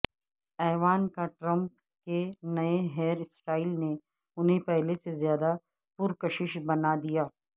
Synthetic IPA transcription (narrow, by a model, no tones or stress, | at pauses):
ɛːʋaːnkaʈɾɐ̃mp | kenɐeɦɛːɾɪsɾaːiːlne | ʊnɦẽpɛɦlesezjaːd̪a | pʊɾkɐʃɪʃbɐnad̪ijaː